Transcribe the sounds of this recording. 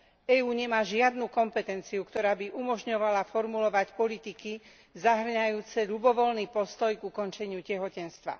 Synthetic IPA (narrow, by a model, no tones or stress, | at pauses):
ɛːuːɲɛmaːʒɪad̪nukɔmpɛt̪ɛnt͡siukt̪ɔɾaːbiʔumɔʒɲɔʋalafɔɾmulɔʋacpɔlit̪iki | zaɦr̩ɲajuːt͡sɛʎubɔʋɔlniːpɔst̪ɔjɡukɔnt͡ʃɛɲɪucɛɦɔcɛnst̪ʋa̰